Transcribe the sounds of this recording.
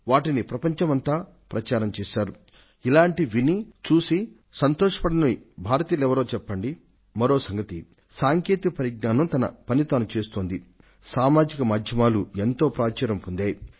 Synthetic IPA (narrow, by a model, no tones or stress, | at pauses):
ʋaːʈinipɾɐpɐɲt͡ʃɐmɐnt̪aː | pɾɐt͡ʃaːɾɐmt͡ʃɛːsaːɾu | ilaːɳʈiʋinit͡ʃuːsi | sɐnt̪ɔːʂɐ̥pɐɽɐnibʱaːɾɐt̪iːlɛʋɐɾo̞ːt͡ʃɛpːɐɳɖi | mɐɾo̞ːsɐŋɡɐt̪i | saːŋkeːt̪ikɐpɐɾiɡ̚naːnɐmt̪ɐnɐ̰pɐnit̪oːnɐt͡ʃeːst̪oːnd̪i | saːmaːd͡ʒikɐmaːd̪ʱjɐmaːluent̪o̞ːpɾaːt͡ʃɐːɾɐmpund̪eːj